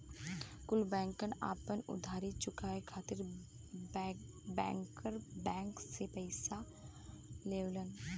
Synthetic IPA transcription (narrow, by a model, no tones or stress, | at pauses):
kʊlbɛ̃ːŋkəna̰ːpənʊ̰d̪ʱaːɾit͡ʃʊkaekʰaːt̪ɪɾ | bɛ̰̃ːŋkəɾbɛ̃ːŋksepɛɪsa | leːwlən